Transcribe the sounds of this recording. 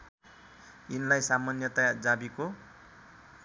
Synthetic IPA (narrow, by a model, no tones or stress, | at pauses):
inlajsamʌnjʌt̪ʌjard͡zabiko